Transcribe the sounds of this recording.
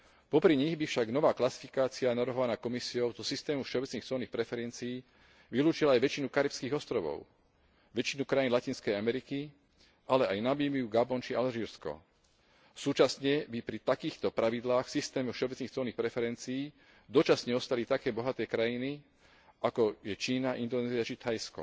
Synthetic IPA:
pɔpɾiɲiɣbifʃaɡnɔʋaːklasi̥fi̥kaːt͡sianaʋɾɦɔʋanaːkɔmisiɔʊzɔsist̪ɛːmufʃɛɔbɛt͡sniːxt͡sɔːniːxpɾɛfɛɾɛnt͡siː | ʋiluːt͡ʃilaajʋɛt͡ʃinukaɾipskiːɣɔst̪ɾɔʋɔ̰ʊ | ʋɛt͡ʃinukɾajinlaciːnskɛjamɛɾiki | ʔalɛajnabimiuɡabɔnt͡ʃialʒiːɾskɔ̰ | suːt͡ʃasɲɛbipɾit̪akiːxt̪ɔpɾaʋid̪laːxsist̪ɛːmɔfʃɛɔbɛt͡sniːxt͡sɔːlniːxpɾɛfɛɾɛnt͡siiː | d̪ɔt͡ʃasɲɛɔst̪alit̪akɛːbɔɦat̪ɛːkɾajini | akɔjɛt͡ʃiːnaʔind̪ɔnɛːziat͡ʃit̪ʰajskɔ̰

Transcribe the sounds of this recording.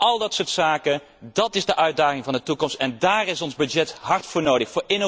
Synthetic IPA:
ʔɑlˠdɑtsoːɹtsaːkə | dɑtɪzdəʔœɥd̚aːχɪŋvɑndətukɔmstɛndaːrɪsɔnzbɵd͡ʒɛtɦɑɹtfʊːɹnowdəxfʊːɹɪno

